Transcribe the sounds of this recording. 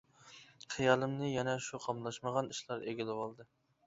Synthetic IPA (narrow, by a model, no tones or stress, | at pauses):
χʰɨjɑlˠɨmnɨjɛnɛʃuqʰɑmlˠɑʃməʁɑniʃlˠɑɾeɡʲilɪwɑlˠd̪ɨ